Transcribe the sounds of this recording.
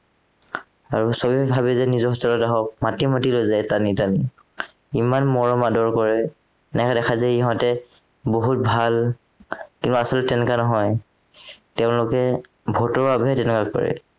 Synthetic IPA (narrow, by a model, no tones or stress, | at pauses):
aɹusobibʱabɛzɛnizɔɦɔsɔlɔtaɦɔk̚matimatilojzajtanitani | imanmɔɹɔmadɔɹkɔɹɛ | nɛkadɛxʰazɛiɦɔjtɛ | boɦut̚bʱal | kĩntuasɔlɛtɛnɛkanɔɦɔj | teʊ̃lʊkɛ | bʱɔtɔɹbabɔɦɛtɛnɛkakɔ̰ɹɛ̰